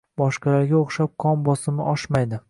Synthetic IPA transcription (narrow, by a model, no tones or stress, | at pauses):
bɒʃqɑlaɾɡʲaoχʃap̚qʰɒmbɒsɪmɪʔɒʃmajd̪ɪ